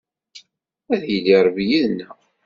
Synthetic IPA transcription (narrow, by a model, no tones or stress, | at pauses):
æðjəlːiɾˤvijiðnːə